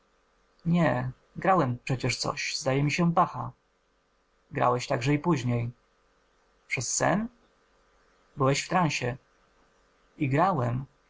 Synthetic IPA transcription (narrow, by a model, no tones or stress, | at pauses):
ɲɛ | ɡɾawɛmpʂɛt͡ɕɛʂt̪sɔ̰ɕzd̪ajɛmʲiɕɛpaxa | ɡɾa̰wɛɕt̪aɡʐɛipuʑɲej | pʂɛsːɛ̰n | bɘwɛɕft̪ɾãñɕɛ | iɡɾawɛm